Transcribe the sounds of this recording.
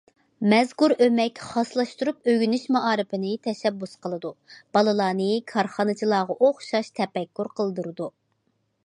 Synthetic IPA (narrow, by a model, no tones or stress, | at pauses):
mɛzkuɾømɛkʲχɑslˠɑʃt̪uɾupøɡʲynyʃmɑʔɑːɾɨpɪnɨt̪ʰɛʃɛbːusqəlˠɨd̪ub̥ɑlˠɨlˠɑːnɨkʰɑɾχɑnɨt͡ʃʰilˠɑːʁɑʔoχʃɑʃt̪ʰɛpɛkʲːuɾqʰəlˠɨd̪uɾɨd̪u